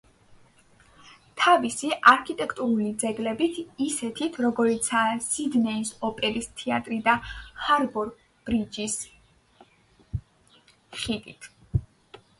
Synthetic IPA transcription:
t̪ʰavisiʔaɾkʰit̪ʼɛkʰt̪ʼuɾulid̪zɛɡlɛbit̪ʰisɛt̪ʰit̪ʰɾɔɡɔɾit̪sʰaːsid̪nɛisɔpʼɛɾist̪ʰɛat̪ʼɾid̪ahaɾbɔɾ | b̥ɾid͡ʒis | χit̪ʼḭt̪ʰ

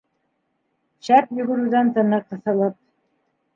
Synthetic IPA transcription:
ɕæpjɵ̆ɡɵ̆ɾʉðænt̪ɤ̆nɤqːɤ̆θɤ̆lˠɤp̚

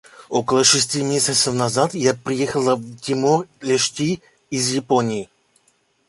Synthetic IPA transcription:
okəlˠəʂɨsʲtʲimʲesʲət̪səfnɐzat̪japɾʲɪjexəlˠəvtʲimorʲlʲɛʂtʲi | ɪzjɪponʲɪɪ

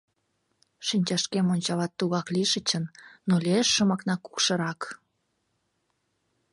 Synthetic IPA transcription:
ʃinʲt͡ɕɑʃkemonʲt͡ɕɑlɑt̪ːuɣɑkliʃət͡ɕənnolʲeʃːəmɑknɑku̥kʃə̆ɾɑk

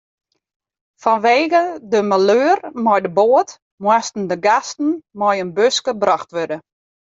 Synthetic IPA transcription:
fɔnʋeːɣədəmaløːrmɔjdəboət | mwastn̩dəɡastn̩mɔjənbøskəbrɔxtʋødə

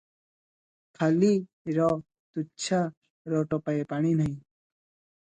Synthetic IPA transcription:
kʰali | ɾɔ | t̪ut͡ʃʰa | ɾɔʈɔpaepaɽ̃inaĩ

